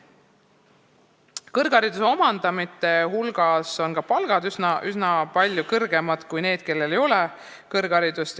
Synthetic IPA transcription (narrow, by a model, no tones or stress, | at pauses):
kɤrɡ̥ɑɾid̪̥useo̞mɑnd̪̥ɑmit̪ːˑe̞ɦulɡ̥ɑso̞nkɑpɑlɡ̥ɑd̪ysnʔysnɑpɑlʲjukɤrɡ̥e̞mɑd̪̥kujne̞ːd̪̥̚ke̞lːe̞le̞jo̞le | kɤrɡ̥ɑɾid̪̥ust̪